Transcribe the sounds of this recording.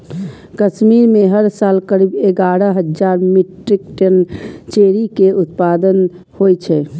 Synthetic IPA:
kəsmiɾmeɦəɾsalkəɾibeɡaɾəɦəd͡ʒd͡ʒaɾmiʈɾikʈənt͡ʃeɾikeʔut̪pad̪ən | hojt͡ʃʰɛ

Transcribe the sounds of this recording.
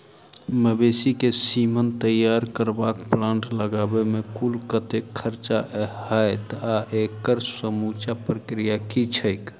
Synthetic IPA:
məbesikesimənt̪əjaɾkəɾbakplãɳʈləɡabemekulkət̪ekʰəɾt͡ʃaɦhəjt̪aʔekəɾsəmut͡ʃapɾəkɾijakit͡ʃʰəɪk

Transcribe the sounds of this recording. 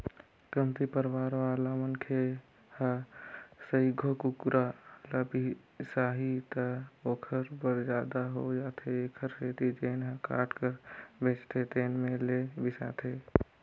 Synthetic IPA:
kəmt̪ipəɾʋaːɾʋaːlaːmənkʰe | ha | səiɡʱokukɾaləbi | saːɦit̪əoːkʰəɾbəɾd͡ʒaːd̪aɦod͡ʒaːt̪ʰeeːkʰəɾseːt̪id͡ʒeːnɦə̃ka̰ːʈkəɾbʱeːt͡ʃt̪ʰet̪eːnmẽlebisa̰ːt̪ʰe

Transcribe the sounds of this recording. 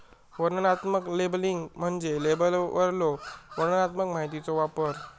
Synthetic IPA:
ʋəɾnənat̪məklebliŋɡm̤əɳd͡zelebəlʋə̰ɾloʋəɾnənat̪məkmaɦit̪it͡soʋapəɾ

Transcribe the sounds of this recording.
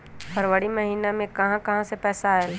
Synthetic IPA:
pʰɐɾʋəɽimɐɦiːnamẽkɐɦãkɐɦãsepɛːsael

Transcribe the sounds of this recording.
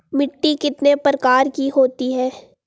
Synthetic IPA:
mɪʈːikɪt̪nepɾəkaːɾkiɦoːt̪iɦɛː

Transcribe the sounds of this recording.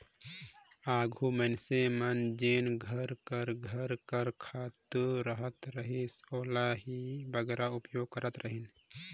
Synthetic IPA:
aːɡʱumənsemɐnd͡ʒeːnɡʱəɾkəɾɡʱəɾkəɾkʰaːt̪ɾəɦət̪ɾəɦisoːlaɦibəɡɛːɾaʊpjoːɡ̚kəɾət̪ɾəɦin

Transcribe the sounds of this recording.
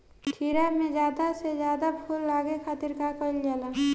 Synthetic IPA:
ʈʰiɾamẽd͡ʒjaːd̪asezjaːd̪apʰʊlːaːɡekʰaːt̪ɪɾkakoɪld͡ʒaːlaː

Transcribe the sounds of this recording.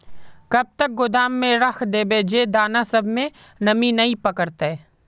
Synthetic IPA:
kɐb̚t̪ək̚ɡʊd̪aːmːẽɾɐxʰd̪eːbeːd͡ʒed̪aːnasɐbʱmẽ | nɐminɐĩpɐkəɾt̪ɛː

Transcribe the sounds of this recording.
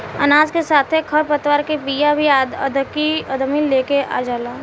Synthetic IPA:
ɐnaːd͡ʒkesaːt̪ʰekʰɐɾpət̪waːɾkepiːjabʱiaːd̪əd̪kiəd̪milːeːkea̰ːd͡ʒaːlaː

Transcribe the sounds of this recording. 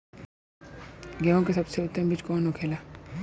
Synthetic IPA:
ɡeõkesɐbseʊt̪ːəmbit͡ʃkɔːnokʰeːlaː

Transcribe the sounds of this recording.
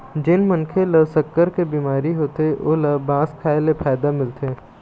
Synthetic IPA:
d͡ʒɪnmɐnkʰelɐsəkːəɾkebiːmaːɾiɦoːt̪eo̰ːlɐbãːskʰaːelepʰaːɪd̪amɪlt̪e

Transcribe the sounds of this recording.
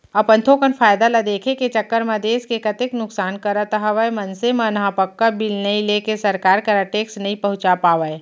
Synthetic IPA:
ɐpə̃nt̪ʰoːkənfʰaːjd̪alad̪eːkʰeket͡ʃɐkːəɾmɐd̪eːskekɐt̪ɪknʊksaːnkɐɾət̪əɦəʋəemɐnsemɐnɐɦãpəkːabɪlnɐĩleːkesɐɾkaːɾkɐɾəʈeːksnɐɦĩpɐɦʊ̃t͡ʃapaːʋəe

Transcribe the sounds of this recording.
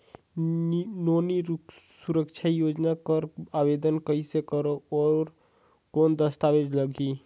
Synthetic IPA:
noniɾusuɾəkt͡ʃʰajod͡ʒnakəɾabed̪ənkəisekəɾoɔɾ | kond̪əst̪abed͡ʒləɡʱi

